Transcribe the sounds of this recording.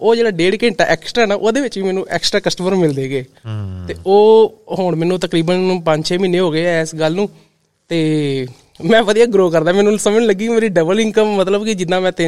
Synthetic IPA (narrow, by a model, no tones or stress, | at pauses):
oːd͡ʒeːɽaːɖeːɽkẽːɳʈa̰ːʔɛ̰ːksʈɾaɦɛːnaːʔoːd̪eːʋɪt͡ʃʋiːmɛːnũːʔɛ̰ːksʈɾaːkəsʈəməɾmɪld̪eːɡeː | t̪eːʔoːɦoɳmɛːnũːt̪əkɾiːbənpəɲd͡ʒʃʰeːmiːneːɦoːɡeːɛːɪsɡəlːnũː | t̪eː | mɛ̃ːʋəd̪ijaːɡɾoːkəɾd̪aːmɛːnũːsəmnːləɡiːmeːɾiːɖəbəlɪ̃ŋkəmːət̪ləbkɪd͡ʒɪd̪ːãːmɛ̃ːt̪e